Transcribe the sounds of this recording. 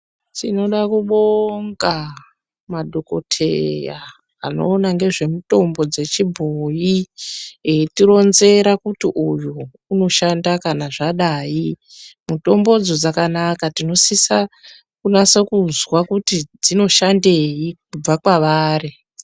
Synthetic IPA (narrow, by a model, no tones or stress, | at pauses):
tino̞ɗakuɓoŋɡa | madʱoko̞̰tʰḛja̰ | a̰no̞̰ːnaŋɡe̞ʐe̞muto̞mbo̞d͡ze̞t͡ʃibʱoji | tiɾo̞nze̞ɾakutiʔujuː | no̞ʃandakanaʐaɗaːji | muto̞mbo̞d͡zod͡zakanakatino̞sisa | kunasekuzwakutid͡zino̞ʃandejikub͡vakwaʋaːri